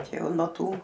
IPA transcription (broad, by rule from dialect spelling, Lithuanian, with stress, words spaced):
ˈt͡ʃʲɛ ˈjɛʊ nuɔ ˈtuː